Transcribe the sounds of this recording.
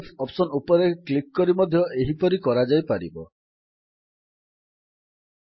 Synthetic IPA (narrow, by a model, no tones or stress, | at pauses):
pʰɔpsɔnupɔɾeklikːɔɾimɔd̪ʱjɔʔeɦipɔɾikɔɾad͡ʒajpaɾḭbɔ